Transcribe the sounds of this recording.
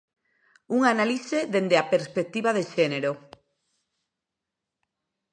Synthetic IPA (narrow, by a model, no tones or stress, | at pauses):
uŋanaliseðend̪eapeɾspek̚t̪iβaðeʃeneɾo